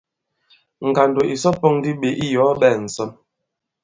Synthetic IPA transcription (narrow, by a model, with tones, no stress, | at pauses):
ŋ̩˨ɡa˨n˨do˨ʔi˨sɔ˦po˦˨ŋdi˦ɓe˨ʔi˦jɔ˨˦ɓɛː˦˨n̩˨sɔ˦m